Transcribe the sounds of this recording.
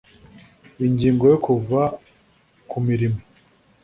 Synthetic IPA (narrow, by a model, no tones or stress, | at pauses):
iɲɟiːŋɡo̞jokuva | kʰumiɾimo